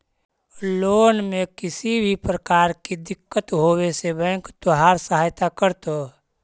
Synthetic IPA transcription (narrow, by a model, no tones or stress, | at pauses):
loːnmẽkɪsibʱipɾəkaːɾkid̪ɪkːət̪ɦoːwesebɛ̃ːŋkt̪oɦaːɾsəɦaːjt̪akəɾt̪oː